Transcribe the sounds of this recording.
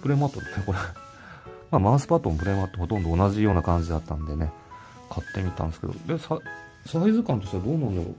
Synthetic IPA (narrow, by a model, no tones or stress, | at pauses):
pɯ̟ɾe̞ːmat̪ːo̞d̪esneko̞ɾe | maːmãɰ̃sɨ̥pat̪ːonop̬ɯ̟ɾe̞mat̪ːoho̞t̪ond̪o̞ːnaʑijo̞ːnakãɲ̟d͡ʑid̪at̪ːãnd̪e̞ne̞ | kʰat̪ːe̞mʲit̪ã̰nesɨ̥ke̞d̪o̰d̪e̞sa | saizɨkãnt̪o̞ɕʲt̪ead̪oːnand̪oɾo̰